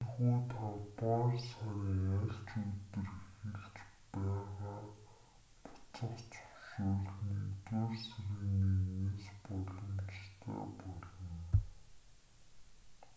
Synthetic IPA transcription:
nxuːt̪ʰat̪waːrsaɾʲiŋæɬt͡ɕut̪ɘ̆rxeɮt͡ɕpæːʁaː | pʊ̥t͡sə̆χt͡sʰɵ̥wʃuːɮniːt͡serseɾɘ̆ɣneːneːspɔɮɞ̆mt͡ɕt̪ʰḛːpɔɮɞ̆n

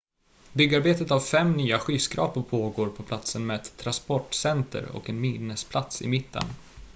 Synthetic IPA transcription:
bʏɡːaɾbeːt̪ət̪avfɛmnyːaɧyːskɾɑ̰ːpəpʰoːɡoːɾpʰɔpʰlat̪sənmeːd̪t̪ʰːɾanspɔʈːsɛnt̪ə̰ɾɔ̰kɛnminəspʰlat̪sɪ̰mɪt̪ʰːə̰n

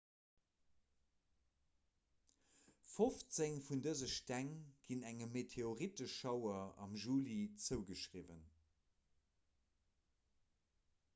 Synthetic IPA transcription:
foft͡seŋfundəzəʃtæŋɡ̥inæŋəmetʰeoʁitəʃɑʊɐɑ̰mʒuːlit͡səʊɡəʃʁivən

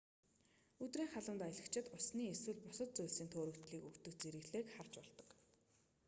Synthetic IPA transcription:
ɵt̪riːŋχaɮə̆mt̪ajɮə̆kt͡ɕʰɪ̆t̪ʊsniːeswɘ̆ɮpʊsə̆t̪̚t͡sujɮsiːnt̪ʰoːɾɵ̆kt̪ɮiːkɵkt̪ɵ̆kt͡seɾɘ̆ɣɮeːkχar̥t͡ɕpɔɮt̪ə̥̆k

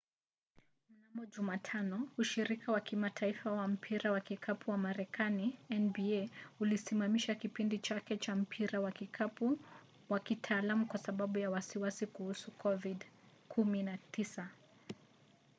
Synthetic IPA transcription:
m̩namɔʄumatʰanɔuʃiɾikawakimatʰaifawam̩pʰiɾawakikʰapʰuwamaɾɛkʰaniɛnbiɛulisimamiʃakipindit͡ʃakɛt͡ʃam̩pʰiɾawakikau | wakitʰaːlamukwasaɓaɓujawasiwasikuhusukʰɔvid | kʰuminatisa

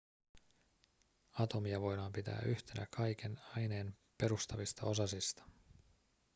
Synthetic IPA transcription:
ɑt̪o̞miɑʋo̞jdɑːmpit̪æ̰ːʔyçt̪e̞nækʰɑjk̟e̞nɑjne̞ːn | pe̞ɾust̪ɑʋist̪ɑo̞sɑsist̪ɑ̥

